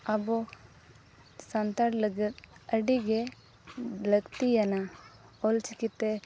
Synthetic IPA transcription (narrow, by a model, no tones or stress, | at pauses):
ɐbu | sɐnt̪aɽlɐɡit̪ɐɖiɡe | lɐkt̪ijɐna | olt͡ʃikit̪ːe